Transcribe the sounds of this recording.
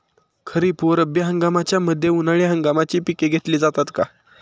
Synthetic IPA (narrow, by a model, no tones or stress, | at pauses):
kʰəɾiːpoɾəbjəɦəŋɡamat͡ɕjaməd̪ʱːjeunaɭiɦəŋɡamat͡ɕiːpikeɡʱet̪liːd͡zat̪at̪ka